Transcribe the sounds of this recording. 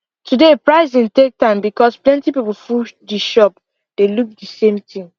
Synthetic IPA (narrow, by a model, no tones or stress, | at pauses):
tudepɹaɪzĩntek̚tãɪ̃mbikɔsplɛ̃ntipipul̩fudiʃɔp̚ | d̥eluk̚disẽmtĩŋ